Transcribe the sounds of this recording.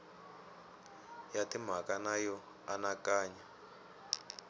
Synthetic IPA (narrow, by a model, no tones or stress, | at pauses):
jatim̤akanajɔ | anakaːɲa